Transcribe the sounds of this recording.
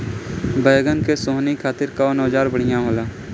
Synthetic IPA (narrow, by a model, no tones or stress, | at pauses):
bəjɡənkesoːɦnikʰaːt̪ɪɾkaːnɔːd͡ʒaːɾbəɽ̤ɪjãɦoːlaː